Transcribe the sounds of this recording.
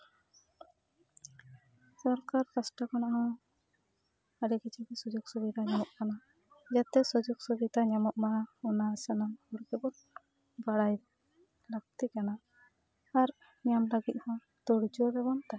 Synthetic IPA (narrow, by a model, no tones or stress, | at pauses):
sɔɾkaɾkasʈakanaɦɔ̃ | aɾɛkit͡ʃʰikɛsɔd͡ʒɔɡ̚sɔbit̪aɲamɔʔkana | d͡ʒat̪ɛsɔd͡ʒɔɡ̚sɔbit̪aɲamɔʔ̚maɔnasanamɔɾkɛbɔn | baɽaj | ɾak̚t̪ikana | aɾ | ɲamləɡit̪̚hɔ̃ | t̪ɔɽd͡ʒɔbɛbɔnt̪a